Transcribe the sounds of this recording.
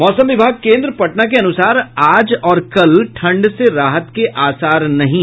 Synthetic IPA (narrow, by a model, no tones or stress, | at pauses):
mɔːsə̃mʋɪbʱaːɡ̚kẽːnd̪ɾəpɐʈnak̬eɐnʊsaːɾaːd͡ʒɔːɾkɐlʈʰɐ̃ɳɖseɾaːɦət̪keʔaːsaːɾnɐɦĩ